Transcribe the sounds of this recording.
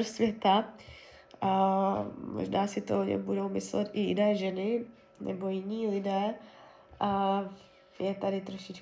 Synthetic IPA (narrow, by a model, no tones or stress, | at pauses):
ɾsvjɛt̪a | mo̰ʒnaːsɪt̪oʔoɲɛ̰mbudo̞wmɪslɛt̪ʔɪjɪ̰nɛːʒɛnɪ | nɛ̰bo̞jɪɲiːlɪdɛː | ʔa | jɛt̪adɪt̪ɾo̞ʃɪt͡ʃ